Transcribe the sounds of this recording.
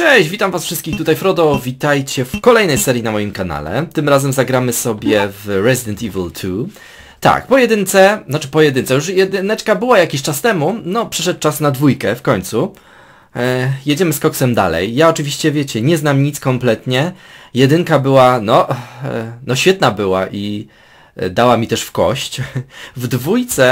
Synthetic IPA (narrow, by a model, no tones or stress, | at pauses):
t͡ʂɛɕd͡ʑvʲit̪amvasfʂɘst̪kʲixt̪ut̪ajfɾɔd̪ɔvʲit̪ajt͡ɕɛfkɔlɛjnɛjsɛɾjinamɔjimkana̰lɛ̰t̪ɘmɾazɛmzaɡɾamɘsɔbʲjɛvɾɛzʲid̪ɛnt̪ivɛ̰lt̪ʰu | t̪a̰k̚pɔjɛd̪ɘnt̪sɛnat͡ʂɘpɔjɛd̪ɘnt̪sɛjuʂjɛd̪nɛt͡ʂkabɘwajakʲiɕt͡ʂast̪ɛmunɔpʂɘʂɛt̪̚t͡ʂasnad̪vujkɛfkɔɲt̪su | jɛd͡ʑɛmɘskɔksɛmd̪a̰lɛ̰jːaɔt͡ʂɘvʲiɕt͡ɕɛvʲjet͡ɕɛɲɛznamɲit̪skɔmplɛt̪ɲɛjɛd̪ɘŋkabɘwanɔ | nɔɕfʲjɛt̪̚nabɘwaʔi | d̪awamʲit̪ɛʂfkɔ̰ɕt͡ɕvd̪vujt̪sɛ